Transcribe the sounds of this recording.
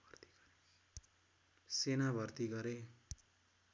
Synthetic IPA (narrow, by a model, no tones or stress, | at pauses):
ʌrt̪i̥ | senabʱʌrt̪iɡʌɾe